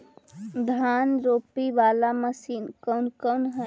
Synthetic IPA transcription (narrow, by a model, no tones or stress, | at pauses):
d̪ʱaːnɾoːpiʋaːlaməsiːnkənkəwnɦə